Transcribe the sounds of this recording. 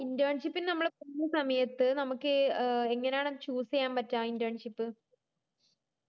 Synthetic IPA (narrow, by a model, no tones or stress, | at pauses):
indɐːɳʂipːilnɐmːɐɽepunːɐsɐmɐjɐt̪ːɨnɐmukːɨeŋːɐnejaːɳet͡ɕuːsijaːmpɐtːaːindɐːɳʂipːɨ